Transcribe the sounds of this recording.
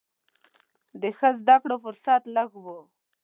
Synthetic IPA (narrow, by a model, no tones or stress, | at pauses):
d̪əxəzd̪akɽofʊɾsat̪laɡwo